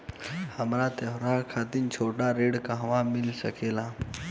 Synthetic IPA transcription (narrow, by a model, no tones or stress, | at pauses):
həmɾat̪eɦɾakʰat̪int͡ʃʰoːʈaɾeɽkaɦʋamɪlsəkela